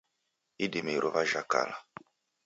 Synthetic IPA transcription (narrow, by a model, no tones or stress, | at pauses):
idimeɾʔovaʒaka̰la